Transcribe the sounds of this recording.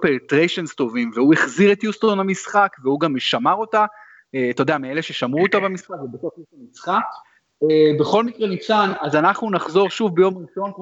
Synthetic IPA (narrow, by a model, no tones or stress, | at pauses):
peʁtʁeʃo̞nst̪o̞vimveueχziʁe̞t̪justo̞namisχakveuɡamʃamaʁo̞ta | et̪o̞deamieleʃe̞ʃamʁuot̪abamisχakvebeso̞fjuʃamisχak | ebe̞χo̞lmikʁenit͡sanazanaχnunaχzo̞ʁʃuvbejo̞mʁiʃo̞nk